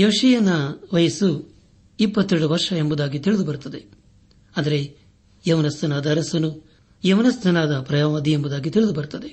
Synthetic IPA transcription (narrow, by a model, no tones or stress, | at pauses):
jeːʂijɐnːɐʋɐjɐsu | ipːɐt̪ːeɾɽuʋɐɾʂɐembud̪aːɡit̪iɭid̪ubɐɾut̪ːɐd̪e̞ | ɐnd̪ɐɾe̞ | jɐʋnɐst̪ɐnaːd̪ɐːɾɐsɐnu | jɐʋnɐst̪ɐnaːd̪ɐpɾɐjaːʋɐd̪iembud̪aːɡit̪iɭɪd̪ubɐɾut̪ɐd̪e̞